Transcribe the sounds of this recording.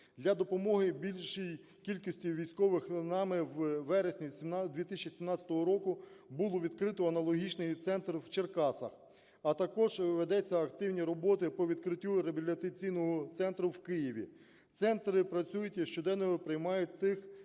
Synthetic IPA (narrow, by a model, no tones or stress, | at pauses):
d̪lʲɐd̪ɔpɔmɔɦɪbʲilʲʃij | kʲilʲkɔsʲtʲiʋʲijsʲkɔʋɪxnɑmɪwʋɛɾesʲnʲid̪ʋʲit̪ɪsʲt͡ʃisʲimnɑt͡sʲɐt̪ɔɦɔɾɔkʊbulˠɔʋʲid̪kɾɪt̪ɔɐnɐlˠɔɦʲit͡ʃnɪjt̪sɛnt̪rwt͡ʃerkɑsɐ̰x | ɐt̪ɐkɔʒʋed̪ɛt͡sʲːɐɐkt̪ɪwnʲiɾɔbɔt̪ɪpɔʋʲid̪kɾɪtʲːuɾebʲilʲɐt̪ɐt͡sʲijnɔɦɔt̪sɛnt̪ɾʊwkɪjiʋʲḭ | t̪sɛnt̪ɾɪpɾɐt͡sʲujʊtʲiʃt͡ʃɔd̪ɛnːɔɦɔpɾɪjmɑjʊt̚ʲt̪ɪx